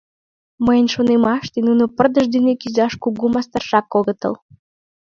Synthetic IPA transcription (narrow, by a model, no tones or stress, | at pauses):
məjənʃonemɑʃt̪enunopərd̪əʒd̪ynekyzɑʃkuɣumɑst̪ɑrʃɑkːoɣə̆t̪ə̰l